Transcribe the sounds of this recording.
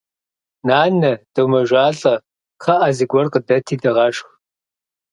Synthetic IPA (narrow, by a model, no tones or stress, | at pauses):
naːnɐd̥ɐwmɐʒʷaːɬʼɐ | qʰɐʔazɨɡʷɔrqədɐtʰiːdɐʁɐʂx